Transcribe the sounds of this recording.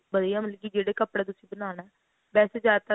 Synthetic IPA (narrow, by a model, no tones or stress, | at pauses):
bəd̪ijãːməlɡiːd͡ʒeːɽeːkəpɽeːt̪ʊsĩːbənaːnɛː | bɛːseːd͡ʒjaːd̪̚t̪ə